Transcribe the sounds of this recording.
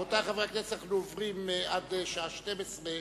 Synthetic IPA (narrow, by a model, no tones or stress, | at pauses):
ot̪aχaveaknesaχlovʁimʔad̪ʃaaʃtemesʁe